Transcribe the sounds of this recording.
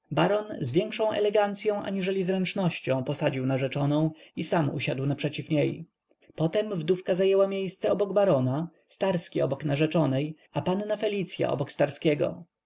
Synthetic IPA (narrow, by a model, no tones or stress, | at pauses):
baɾɔnzvʲjɛŋkʂɔ̃w̃ʔɛ̰lɛɡant̪sʲjɔ̃w̃ʔa̰ɲiʐɛlʲizɾɛnt͡ʂnɔɕt͡ɕɔ̃w̃pɔsad͡ʑiwnaʐɛt͡ʂɔnɔ̃w̃isamṵɕad̪wnapʂɛt͡ɕifɲej | pɔt̪ɛmvd̪ufkazajɛwamʲjejst̪sɛɔbɔɡbaɾɔna | st̪aɾskʲiɔbɔknaʐɛt͡ʂɔnɛj | apanːafɛlʲit̪sʲja̰ʔɔ̰bɔkst̪aɾskʲɛɡɔ̰